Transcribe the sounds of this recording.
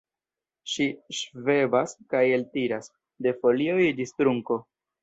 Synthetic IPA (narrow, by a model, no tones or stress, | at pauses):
ʃiʃve̞baskaje̞ltiɾas | de̞fo̞lio̞jdistɾuŋko̞